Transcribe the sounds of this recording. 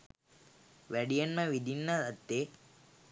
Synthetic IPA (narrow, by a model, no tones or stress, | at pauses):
ʋɐɽijɐnmɐʋid̪inːɐɐt̪ːe